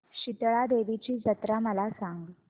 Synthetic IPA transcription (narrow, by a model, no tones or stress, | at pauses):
ɕit̪ɭad̪eʋit͡ɕiːd͡zət̪ɾaməlasaŋɡi